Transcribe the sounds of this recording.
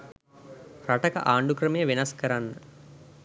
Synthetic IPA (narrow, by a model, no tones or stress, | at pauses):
ɾɐʈɐkɐ̰ʔaːɳɖukɾɐmejəʋinɐskɐɾanːɐ